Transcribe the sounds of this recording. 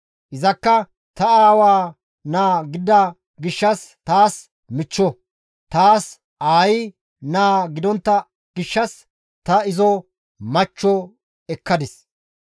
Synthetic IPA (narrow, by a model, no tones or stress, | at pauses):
ʔɪzɐkːɐ | t̪ɐaːwaː | naːɡɪd̪ɐ | ɡɪʃːɐst̪aːs | mɪt͡ʃːɔ | t̪aːs | ʔaːjɪ | naːɡɪd̪ɔnt̪ːɐ | ɡ̥ɪʃːɐs | t̪ɐɪzɔ | mɐt͡ʃːɔ | ɛkːɐd̪ɪs